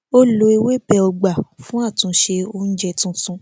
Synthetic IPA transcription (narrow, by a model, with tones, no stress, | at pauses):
o˦lo˧i˧we˦bɛ˧ɔ˧ɡ͡ba˨fũ˦a˦˨tũ˨˦ʃe˧o˧n̩˦d͡ʒɛ˦˨tũ˧sũ˧